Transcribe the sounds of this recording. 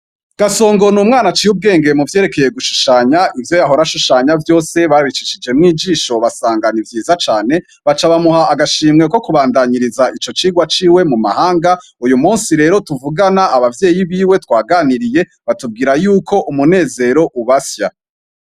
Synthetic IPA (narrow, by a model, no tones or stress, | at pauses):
ɡ̥aso̞ːŋɡo̞nuːmŋaːnat͡ʃiːhub̚ɡe̞ːŋɡemuvjeːɾeke̞je̞ɡuʃu̥ʃaːɲaʔivjo̞jaɦo̞ɾaʃuʃaːɲavjo̞ːse̞βaɾβit͡ʃiʃid͡ʒe̞mŋiːd͡ʒiːʃo̞βasaːŋɡanivjiːzat͡ʃaːne̞ | βat͡ʃaβamuhaʔaɡaʃiːmŋe̞ko̞kuβaːndaɲiɾizaʔit͡ʃo̞t͡ʃiːɡwat͡ʃiːwe̞muma̰haːŋɡa | ujumuːnsiɾe̞ːɾo̞tuvuɡanaːβavje̞ːjiβiːwe̞twaːɡaːniɾije̞ | βatub̚ɡiːɾajuːkʰo̞ʔumune̞ːze̞ɾo̞ʔuβasja